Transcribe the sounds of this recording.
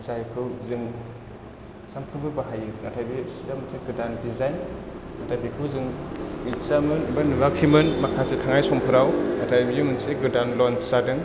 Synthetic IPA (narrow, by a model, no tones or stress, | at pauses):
zajkʰɯwzɯŋ | samkʰɯbɯbaɦajɯnatʰajbisiamɯnseɡɯdandizajn | natʰajpʰikʰɯwzɯŋmit͡ʃamɯnbanuɾakʰimɯnmakʰasetʰaŋajsɔmpʰɯɾawnatʰajbijɯmɯnseɡɯdanlɔnsadɯŋ